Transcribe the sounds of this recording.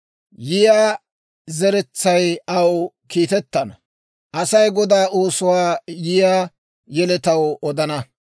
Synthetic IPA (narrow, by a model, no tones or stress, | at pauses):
jɪjaː | zɛɾɛt͡sːɐjɐw | kiːt̪ɛt̪ːɐnɐ | ʔɐsɐjɡɔd̪aːʔoːsʊwaːjɪjaː | jɛlɛt̪ɐwɔd̪ɐnɐ